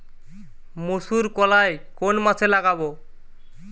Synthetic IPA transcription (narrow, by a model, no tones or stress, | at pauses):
mosuɾkɔlajkonmat͡ɕʰelaɡaβo